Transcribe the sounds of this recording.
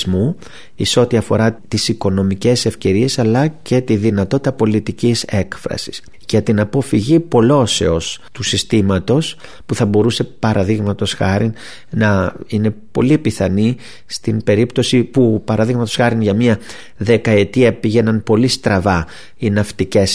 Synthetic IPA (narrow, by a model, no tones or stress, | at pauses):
mu | iseo̞t̪iɐfo̞ɾɐt̪isiko̞no̞mice̞se̞fce̞ɾie̞sɐlɐce̞t̪iðinɐt̪o̞t̪i̥t̪ɐpo̞lit̪icise̞kfɾɐ̰si̥s | ʝɐt̪inɐpo̞fiʝipo̞lo̞se̞o̞st̪usist̪imɐt̪o̞s | puθɐbo̞ɾuse̞pɐɾɐðiɣmɐt̪o̞sxɐɾin | nɐine̞po̞̰lipiθɐni | st̪inbe̞ɾipt̪o̞sipupɐɾɐðiɣmɐt̪o̞sxɐɾinʝɐmɲɐ | ðe̞kɐe̞t̪iɐpiʝe̞nɐnpo̞list̪ɾɐvɐ | inɐft̪ice̞s